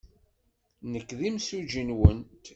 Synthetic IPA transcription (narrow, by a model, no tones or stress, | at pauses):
nəkːðimsuʒinwənt̪